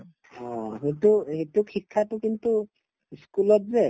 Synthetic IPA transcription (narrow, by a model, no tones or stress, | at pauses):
ɦɔ̃ɦet̪uɦet̪ukʰikʰːat̪ukint̪u | skulɔt̪ze